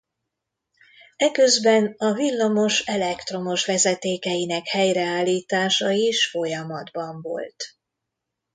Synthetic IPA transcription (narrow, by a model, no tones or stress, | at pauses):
ɛkø̞zbɛnɒvilːɒmo̞ʃɛlɛkt̪ro̞mo̞ʃvɛzɛt̪eːkɛjinɛkhɛjrɛaːlːiːt̪aːʃɒjiʃfo̞jɒmɒd̪bɒɱvo̞̰lt̪